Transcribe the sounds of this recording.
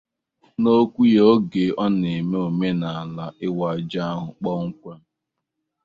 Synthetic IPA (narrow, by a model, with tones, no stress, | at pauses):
no˦kʷu˦jo˦ɡe˨ʔɔ˦ne˨me˦o˨me˦na˨a˨la˦ʔɪ˦wa˨d͡ʒa˦a˦ɦʊ˨k͡pɔ˦ŋ̩˦kʷa˦